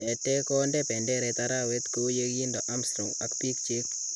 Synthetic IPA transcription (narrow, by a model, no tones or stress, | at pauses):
etekɔndɛpɛndɛɾɛt̪aɾawet̪kujekindoʔamstɾoŋakpik̚t͡ʃek̚